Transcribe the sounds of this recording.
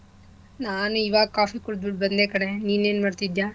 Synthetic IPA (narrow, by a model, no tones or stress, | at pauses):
naːnuiʋaːɡ̚kaːfikuɽd̪biʈ̚bɐnd̪eːkɐɽe̞niːneːnmaːɽt̪id̪jaː